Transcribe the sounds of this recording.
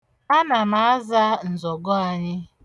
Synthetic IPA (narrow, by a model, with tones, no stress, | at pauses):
ma˦na˨ma˨˦a˦za˦n̩˨zɔ˨ɡɔ˦a˨ɲɪ˦